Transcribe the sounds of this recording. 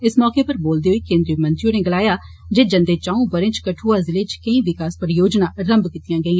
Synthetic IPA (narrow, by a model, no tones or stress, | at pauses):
ɪsmɔːkeːpəɾboːld̪eːɦoiːkẽːnd̪ɾijəmənt̪ɾioːneːɡəlaːjaː | d͡ʒeːd͡ʒənd̪eːt͡ʃãːũːbəɾẽːt͡ʃkəʈʰuːaːzɪleːt͡ʃkəĩːʋɪkaːspəɾjoːd͡ʒnãːɾəmbkɪt̪ɪjãːɡəiːãː